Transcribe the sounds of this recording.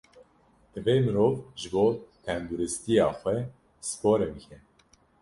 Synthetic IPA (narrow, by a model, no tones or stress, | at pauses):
d̪̥ɨveːmɨɾoːvʒɨboːt̪ʰɛnd̪uɾɪst̪ijɑːxʷɛ | sɨ̥poːɾebkʰɛ